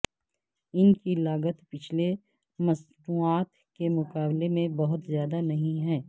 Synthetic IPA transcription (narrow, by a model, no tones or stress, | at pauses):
ɪnkilaːɡət̪pɪt͡ʃʰle | mɐsnuːaːt̪ | kemʊkaːblemẽbɐɦʊt̪zjaːd̪anɐɦĩɦɛ̃ː